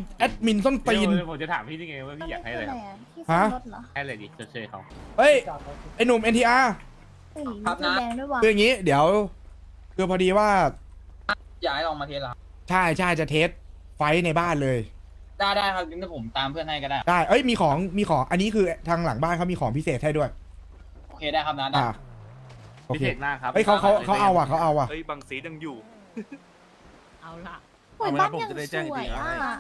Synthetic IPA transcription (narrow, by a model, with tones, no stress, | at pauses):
ʔɛː˦˥t̪̚mi˧nso˥˩nt̪iː˧n˧pʰo˨˦mt͡ɕa˨˩t̪ʰa̰ː˩˦mʰiː˥˩i˧ŋa˧˦waː˥˩pʰiː˧˥˩jaː˨˥k̚ha˥˩jla˧ja˦ɛː˩˥˩ | ha˦˩˦ʔo˦˥t̪̚lɔ˦˥a˧˥˩le˧˩i˧˩t͡ɕʰo˨˦t̪̚t͡ɕʰɤː˧˩jkʰa˧˩wʔɤ˦˥˩jpa˧jnu˨˩mʔe˧nt̪ʰiː˧ʔaː˧ | a˦˥˩lɛː˧ŋdu˥˩jwa˧ɯː˧ja˨˩ŋiː˦˥di˩˦əw | kʰɯː˧pʰɔː˧diː˧waː˥˩ | a˧˩ | jaː˨˩˦jlɔː˧ŋmaː˧t̪ʰeː˧˥˩la˨˦˥ | t͡ɕʰa˥˩jt͡ɕʰa˥˩jt͡ɕa˨˩t̪ʰeː˦˥t̪̚ | fa˦˥jna˧jbaː˥˩nlɤː˧j | daː˥˩jdaː˥˩jkʰa˦˥nɯ˧˦˥nʰa˥˩pʰo˩˦mt̪aː˧mpʰɯ˥˩ənha˥˩ka˧˩daː˩daː˥˩jʔɤ˦˥jmiː˧kʰɔː˩˦ŋmiː˧kʰɔː˩˦ŋʔa˧nːiː˦˥kʰɯː˧t̪ʰaː˧ŋla˩˦ŋbaː˥˩nkʰa˦˥miː˧kʰɔː˩˦ŋpʰi˦˥seː˨˩t̪̚ha˥˩jdu˥˩əj | ʔoː˧kʰeː˧aː˥˩jkʰa˦˥p̚naː˥˩daa˩˧˩ | ʔoː˧˦kʰeːeː˨˩t̪̚naː˥˩kʰʔɤ˦˥jkʰa˦˥wkʰa˦˥wka˦˥wʔa˧wʔa˨˩kʰa˦˥wʔa˧wʔa˨˩˦jbaː˧ŋsiː˨˦ja˧ŋjuː˨˩ | ʔa˧˩wla˨˩ | u˨˩˦baː˦˥˩pʰa˦˩ŋ˨a˥˩t͡ɕɛː˥˩ŋː˩˧